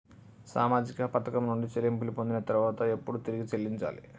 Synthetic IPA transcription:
sa̰ːmaːd͡ʒikɐpɐt̪ɐkɐmnuɳɖit͡ʃelːimpilipo̞nd̪inɐt̪ɐɾuʋaːt̪ɐe̞pːuɽut̪iɾiɡit͡ʃe̞lːiɲt͡ʃa̰ːlḭ

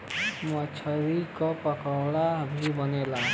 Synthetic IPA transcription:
mɔt͡ʃʰɔɾikɔpɔkawɽabʱibɔnela

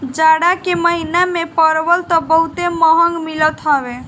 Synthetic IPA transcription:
d͡ʒaɽakeməɦinamepəɾbəlt̪ɔbəɦut̪eməɦəŋɡmilət̪ɦɔbe

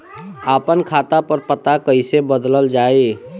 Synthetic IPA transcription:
aːpənkʰaːt̪apəɾpət̪akəɪsebəd̪ləld͡ʒaːe

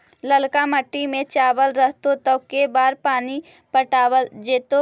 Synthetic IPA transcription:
ləlkaməʈːimẽt͡ʃaːʋəlɾəɦt̪ot̪əkebaːɾpaːni | pəʈaːwəld͡ʒeːt̪o

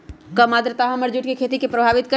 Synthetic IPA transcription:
kɐmaːd̪ɾət̪aːɦɐməɾd͡ʒuʈkekʰeːt̪ikepɾɐbʱaːʋɪt̪̚kɐ

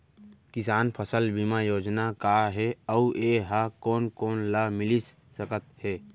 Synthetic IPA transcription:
kɪsaːnpʰəsəlbimajoːd͡ʒnakaːɦɛəuʔeːɦakoːnkoːnlamɪlis | səkət̪hɛː

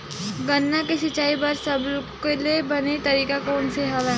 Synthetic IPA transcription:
ɡɐnːakeʃɪt͡ʃaːipɐɾsɐbkeliebɐnet̪ɐɾiːkakoːʊnseɦɐʋɛ

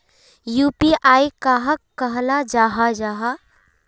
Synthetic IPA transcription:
juːpiʔaːikaɦəkːɐɦnad͡ʒaːɦad͡ʒaːɦa

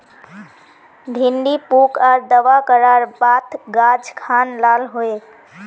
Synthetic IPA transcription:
bʱinɖipukaɾd̪əʋakəɾaɾbat̪ɡad͡ʒkʰanlalɦoe

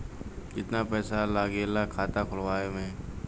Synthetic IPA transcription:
ɪt̪napɛːsalaːɡeːlakʰaːt̪akʰʊlʋaːemẽː

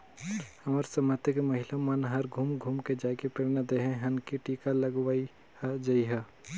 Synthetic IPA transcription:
hɐmaɾsɐmət̪ekeməɦɪlamənɦɐɾɡʱuːmɡʱuːmked͡ʒaːkepeɾnad̪eɦɛ̃ɦɐnkiʈiːkalɐɡwaːi | hd͡ʒaiɦɛ

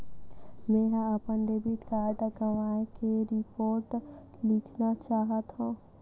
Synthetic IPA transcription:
mẽːɦãəpənd̪eːbɪʈkaːɾɖɡəʋaːkeɾɪpoːɾʈ | lɪkʰnat͡ʃaːɦət̪ɦũː

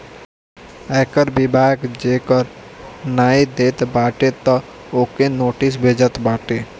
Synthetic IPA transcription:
ɛːkəɾbɪbʱaːkd͡ʒeːkəɾ | naːid̪eːt̪baːʈet̪ɔ | oːkenoːʈɪs̬bʱeːd͡ʒət̪baːʈeː

